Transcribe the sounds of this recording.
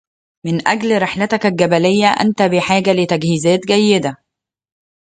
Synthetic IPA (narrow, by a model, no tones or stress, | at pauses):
mɪnʔæɡlɾeħlæt̪akælɡæbælejːæʔæ̰nt̪æbiħaːɡælɪt̪æɡhiːzæːt̪ɡæjːed̪æ